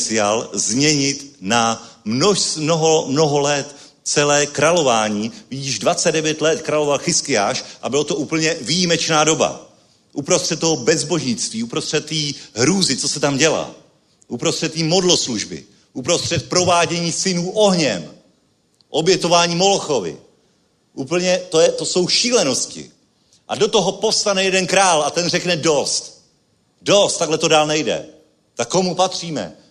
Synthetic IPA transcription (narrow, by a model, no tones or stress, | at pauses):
t͡sɪaːlzɲɛɲɪt̪namonoɦomno̞ɦolɛt̪ | t͡sɛlɛːkɾalo̞vaːɲiːviɪʒdvat͡sɛd̪dɛvjɛt̪lɛt̪kɾalo̞valxɪskɪjaːʃʔabɪlot̪o̞ʔuːpl̩ɲɛvijimɛt͡ʃnaːdo̞ba̰ | ʔupɾost̪r̥ɛt̪̚t̪ːoɦobɛzbo̞ʒɲɪt͡st̪viːupɾost̪r̥ɛt̪ːiːɦɾuːzɪt͡sosɛt̪amɟɛla̰ː | ʔupɾost̪r̥ɛt̪ːiːmo̞dlo̞sluʒbɪ̰ | ʔupɾo̞st̪r̥ɛt̪̚pɾo̞vaːɟɛɲiːsɪnuːʔo̞ɦɲɛm | ʔo̞bjɛt̪ovaːɲiːmo̞loxovɪ̰ | ʔuːpl̩ɲɛt̪ojɛt̪o̞so̞wʃiːlɛno̞scɪ̰ | ʔa̰do̞t̪o̞ɦopo̞fst̪anɛjɛdɛnkɾaːlat̪ɛnrɛknɛdo̞st̪ | do̞st̪ːaɡlɛt̪o̞daːlnɛjdɛ̰ | t̪akːo̞mupat̪r̝̥iːmɛ̰